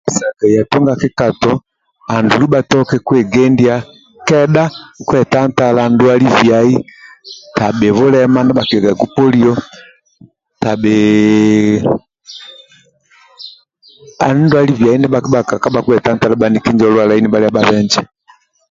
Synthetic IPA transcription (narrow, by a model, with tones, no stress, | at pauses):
sa˨kɛ˨ja˨tɔ˦ŋɡa˨kɛ˦ka˨tɔ˦ | a˨ndu˨li˦ba˨tɔ˦kɛ˦kwɛ˨ɡɛ˦ndi˦a˦ | kɛ˦ɗa˦kwɛ˨ta˦n˦ta˦landu˦a˦li˦vja˨i˦ | ta˨ɓɛ˨βɔ˦lɛ˦ma˦nɛ˦ba˨kɛ˨ɡa˨ɡu˦pɔ˦li˦ɔ˦ | ta˨ɓɛ˨ | a˨n˦ndu˦a˦li˦vja˨i˦nɛ˦ɓa˨kɓa˨ka˨ka˦ba˨kwɛ˨ta˦n̩˦ta˦la˦ɓa˨ni˦ki˦ɲd͡ʒɔ˨˦lwa˨la˨i˦nɛ˦ɓa˦li˦a˦ɓa˦βɛ˦ɲd͡ʒɛ˨